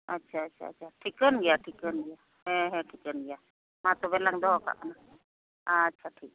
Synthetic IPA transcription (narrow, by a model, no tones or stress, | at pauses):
ətːt͡ʃʰaətːt͡ʃʰa̰ːt͡ʃʰaʈʰikənɡɛjaʈʰikənɡɛja | ɦɛ̃ɦɛ̃ʈʰikənɡɛja | mat̪ɔbɛlaŋd̪ɔɦka̰ʔʔa̰na | aːtːʃʰaʈʰik̚